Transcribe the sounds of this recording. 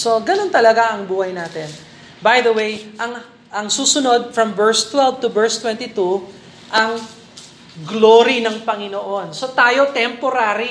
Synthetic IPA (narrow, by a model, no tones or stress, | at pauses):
so̞ɡɐno̞nt̪ɐlɐɡaʔɐŋbuːhɐjnaːt̪ɛn | bɐjd̪ɐwejʔɐŋ | ʔɐŋsuːsʊno̞d̪̚fɾɐmvɛɹst̪wɛlvt̪ʊbɛɹst̪wɛ̃nt̪it̪u | ʔɐŋ | ɡloɾinɐŋpɐŋɪnoʔo̞nso̞t̪aːjo̞t̪ɛmpoɾaːɾi